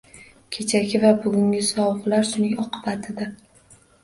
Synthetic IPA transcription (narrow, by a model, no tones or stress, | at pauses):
kʲʰe̞t͡ʃʰakʲɪvabʊɡʲʊŋʲɪsɒwʁlaɾsʊnɪŋɒqʰɨbat̪ʰɪd̪a